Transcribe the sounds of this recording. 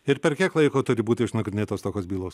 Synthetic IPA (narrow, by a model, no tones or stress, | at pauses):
ɪɾpʲɛɾkʲiɛklˠɐɪkoːt̪ʊɾʲɪbuːt̪ʲɪɪʃnɐɡɾʲɪnʲeːt̪oːst̪oːkʲoːsbʲiːlˠoːs